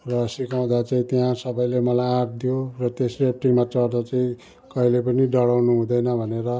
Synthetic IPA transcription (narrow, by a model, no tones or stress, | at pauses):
rʌsikaw̃d̪at͡saĩt̪jãsʌbʌjlemʌlajãɾd̪ijorʌt̪eslp̚ʈiŋmat͡sʌrd̪at͡saĩ | kʌɦilepʌniɖʌɽawnuɦũd̪ʌjnʌbʱʌneɾʌ